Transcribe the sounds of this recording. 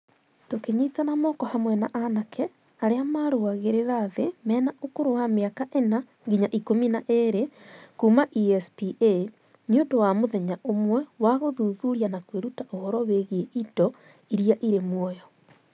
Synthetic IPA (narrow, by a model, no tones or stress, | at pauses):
tokeɲitanamɔkɔhamwɛnaʔanakʰɛ | aɾeamaɾoaɣeɾeɾaðemɛːnaokoɾowameakaʔena | ŋɡiɲaʔikominaʔeɾekuːmaʔiɛspiʔe | niondowamoðɛɲaʔomwɛwaɣoðuðuɾianakweɾutaʔohɔɾɔweɣeʔidɔ | iɾiaʔiɾemwɔjɔ